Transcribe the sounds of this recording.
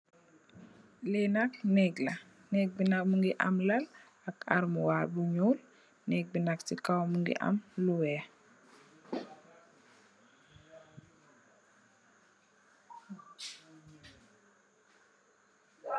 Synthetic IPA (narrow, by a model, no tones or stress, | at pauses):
lenaknɛɡla | nɛɡ̚binak̚muŋɡiʔa̰mlal | aka̰ɾmuwabuɲuːl | nɛɡ̚binak̚sikawmuŋɡḭʔa̰mluwɛ